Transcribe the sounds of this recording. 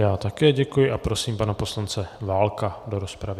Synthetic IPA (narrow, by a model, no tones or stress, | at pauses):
jaːt̪akɛːɟɛkujɪʔapɾo̞siːmpanapo̞slant͡sɛvaːlkado̞ɾo̞spɾavɪ